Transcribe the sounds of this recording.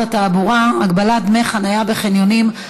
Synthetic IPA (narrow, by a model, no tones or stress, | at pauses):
ataːbuʁaaɡbaladmeχanajabeχenjonim